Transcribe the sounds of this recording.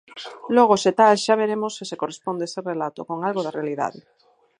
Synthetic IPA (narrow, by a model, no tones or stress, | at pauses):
lɔɣ̞oset̪alʃaβ̞eɾemosːisekorespond̪eeserelat̪o̰koŋalɣoðarealiða̰ðɪ̰